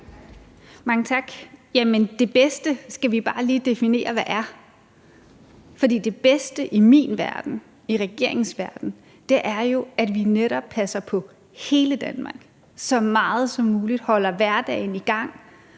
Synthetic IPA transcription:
mɑ̈ŋət͡sʰɑ̈ɡ̥jæmənd̥e̝b̥esd̥əsɡ̥æʋib̥ɑ̈ːliːd̥e̝fine̝̰ːɐʋæʔæɐ | fɒ̽d̥ḭːd̥e̝b̥esd̥əʔimḭnʋæɐd̥n̩ | iʁɛɡ̥e̝̰ɐ̰eŋsʋæɐd̥n̩ | d̥e̝ʔæɐjo̝æd̥ʋineɾɒb̥̚pʰæsɐpʰɒ̽ | he̝ːləd̥ænmɑ̈ɡ̥ | sɒ̽mɑ̈ːð̞̩ˠsɒ̽mːuːlid̥hɒ̽l̰ɐʋæɐd̥ɛ̰ːɪniɡ̥ɑ̈ŋ̰

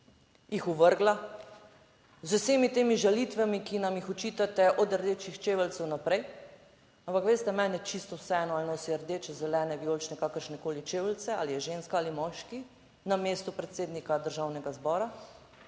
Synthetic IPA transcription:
jixuʋəɾɡla | zuseːmit̪eːmiʒalit̪ʋamikinamjixɔt͡ʃit̪at̪ɛʔɔd̪əɾd̪eːt͡ʃixt͡ʃeːʋəlt̪sɛwnapɾɛj | ampakʋeːst̪ɛmɛːnɛt͡ʃist̪ɔwsɛɛːnɔalnoːsiəɾd̪eːt͡ʃɛzɛlɛːnɛbijolt͡ʃnɛkakəɾʃnɛkoːlit͡ʃeːʋəlt̪sɛa̰ːlijɛʒenskaaːlimɔːʃki | nameːst̪upɾɛt̪seːd̪nikad̪əɾʒawnɛɡazbɔːɾa

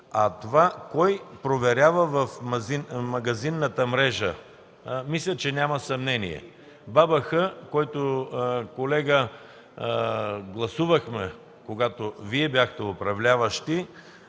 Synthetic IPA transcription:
ɐt̪ovakɔjpɾovɛɾʲavəvɐfmɐzinmɐɡɐzinːət̪əmɾɛʒə̰ | mislʲət͡ʃɛnʲamɐsɐmnɛnḭɛ̰ | babɐxəkɔjt̪okolɛɡə | ɡlˠɐsuvəxmɛ | koɡat̪oviɛbjaxt̪ɛʊpɾɐvlʲavəʃt̪i

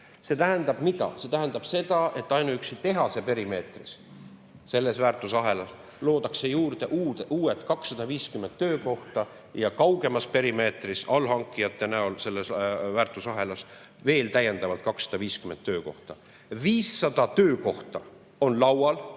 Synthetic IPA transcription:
se̞t̪æɦænd̪ɑb̥mid̪̥ɑ̰set̪æɦænd̪̥ɑb̥se̞d̪ɑʔe̞t̪ːˑɑjnuyksit̪e̞ɦɑse̞pe̞ɾime̞ːt̪ris | se̞lːe̞svæːrt̪ːˑusɑɦe̞lɑs | lo̞ːd̪ɑkse̞juːrd̪e̞ʔuːeʔuːe̞t̪ˑkɑksːɑd̪̥ɑviːskymːent̪ːø̞ːko̞ht̪ɑ | jɑkɑwɡ̥e̞mɑspe̞ɾime̞ːt̪risɑlhɑŋkˑːijɑt̪ːˑe̞næolse̞lːesvæːrt̪ˑusɑɦe̞lɑs | ve̞ːlt̪æje̞nd̪ɑvɑlt̪̚kɑksːɑ̥d̪ɑviːskyme̞nt̪ːøːko̞ht̪ɑ | viːsːɑd̪̥ɑt̪øːko̞ht̪ɑ | o̞nlɑwɑl

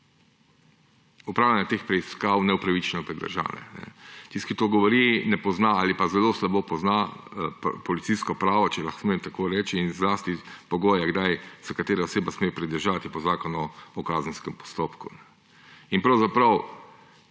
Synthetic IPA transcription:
upɾaːwlʲjanjɛt̪expɾɛiskawnɛupɾaʋit͡ʃnɛpɾɛd̪ə̰ɾʒa̰nɛ̰nɛ̰t̪iskit̪oɡɔʋɔɾinɛpɔznaalipazɛloːslabopɔzna | pɔlit̪siskɔpɾaːʋɔt͡ʃɛlaxsmeːmt̪akoːɾɛːt͡ʃiːnzlaːst̪ipɔɡoːjɛɡd̪ajz̥akat̪eːɾaɔseːbasmeːjpɾɛd̪əɾʒat̪ipɔzaːkɔnuɔkazən̩skɛmpɔ̥st̪oːpkṵnɛ | inpɾɐwzapɾɐw

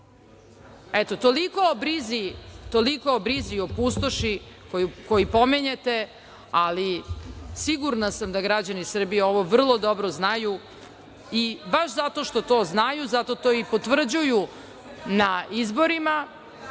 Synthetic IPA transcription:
et̪o̞t̪o̞liko̞bɾizit̪o̞likoːbɾiziopust̪oʃikojko̞jipomeɲet̪e̞ | alisiɡuɾnasamd̪aɡɾad͡ʑanisr̩bijeo̞ʋo̞ʋr̩lˠo̞d̪o̞bɾoznaju | ibaʃzat̪o̞ʃt̪o̞t̪o̞ːznajuzat̪o̞t̪o̞ipot̪ʋr̩d͡ʑuju | naizbo̞ɾima

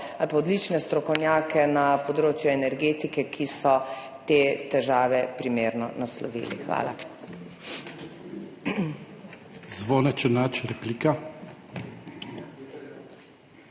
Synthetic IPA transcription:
alpaɔd̪lit͡ʃnɛst̪ɾɔkɔwnjaːkɛnapɔd̪ɾoːt͡ʃjuɛnɛɾɡeːt̪ikɛkʰisɔt̪eːt̪ɛʒaːʋɛpɾimeːɾnɔnaslɔ̰ʋḭːlḭxʋa̰ːla̰ | zʋonat͡ʃɛnat͡ʃɾɛpliːka

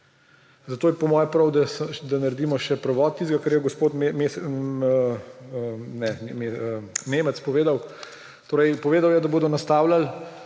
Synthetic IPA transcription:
zat̪oːjɛpɔmɔːjɛpɾɐwd̪ad̪anɐɾɛd̪iːmɔʃɛpɾɐʋɔːt̪̚tːiːzɡakəɾjɛɡɔspoːt̪memes | nɛmemeːmət̪spɔʋeːd̪aw | t̪oːɾəjpɔʋeːd̪awjɛd̪aboːd̪ɔnast̪aːwlal

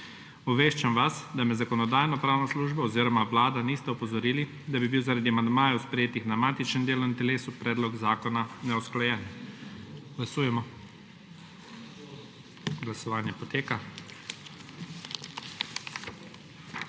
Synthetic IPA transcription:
ɔʋeːʃt͡ʃamʋasd̪amɛzakɔnɔd̪aːjnɔpɾaːwnɔsluːʒbɔɔziːɾɔmaʋlaːd̪aniːst̪ɛɔpɔzɔɾiːli | d̪abibiwzaɾad̪iamand̪maːjɛwspɾɛjeːt̪ixd̪namaːt̪it͡ʃnɛnd̪eːlɔint̪ɛleːsupɾɛːd̪lɔɡzaːkɔnanɛɔsklajɛːn | ɡ̥lasuːjɛmɔ | ɡlasɔʋaːnjɛpɔt̪eːka

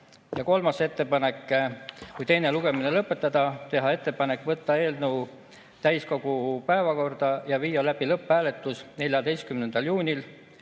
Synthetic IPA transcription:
jɑko̞lmɑse̞t̪ːe̞pɑne̞kːkujt̪e̞jne̞luɡ̥e̞minelɤpːˑe̞t̪ːˑɑd̪̥ɑt̪e̞ɦɑe̞t̪ːe̞pɑnekːˑvɤt̪ːɑe̞ːlnəu | t̪æjsko̞ɡ̥upæevɑko̞rd̪̥ɑjɑviːjːɑlæb̥ilɤpːˑæːle̞t̪ːˑusne̞lʲjɑd̪e̞jst̪̚kymnend̪ɑljuːnʲil

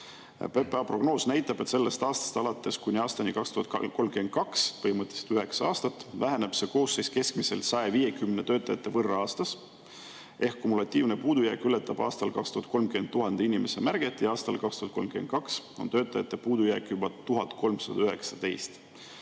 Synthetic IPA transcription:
pepɑpro̞ɡno̞ːsnæjt̪ːˑɑb̥e̞t̪se̞lːe̞st̪ɑːst̪ɑ̥st̪ɑlɑt̪ˑːe̞skunʲiɑːst̪ɑnikɑkst̪uhɑt̪ko̞lmɡymend̪̚kɑkspɤhimɤt̪ːˑi̥si̥d̪yɦe̞ksɑɑːst̪ɑt̪ːˑvæɦeneb̥se̞ːko̞ːsːe̞jske̞skmise̞lsɑeviːje̞kymne̞t̪øːt̪ːˑɑjɑt̪ːˑe̞vɤrɑɑːst̪ɑs | e̞hkːumulɑt̪ʲːˑiːvne̞puːd̪ujæːkylet̪ːˑɑb̥ɑ̰ːst̪ɑlkɑkst̪uhɑt̪̚ko̞mkyment̪ːuɦɑnd̪̥einʲime̞semærɡ̥et̪ːˑiɑːst̪ɑ̰lkɑkst̪uhɑt̪ko̞lmkymen̚kɑkso̞nt̪ø̞ːt̪ˑːɑjɑt̪ːe̞puːd̪ujæːkːˑjubɑt̪uɦɑt̪ˑko̞lmsɑd̪̥ɑyɦe̞ksɑt̪e̞jst̪

